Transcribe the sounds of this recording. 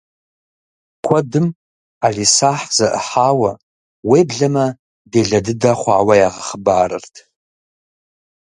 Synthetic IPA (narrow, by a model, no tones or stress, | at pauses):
kʷʰadɨm | aɮisaħzaʔəħawa | webɮama | deɮadɨdaχʷaːwajaʁaχəbaːɾɨ̰rtʰ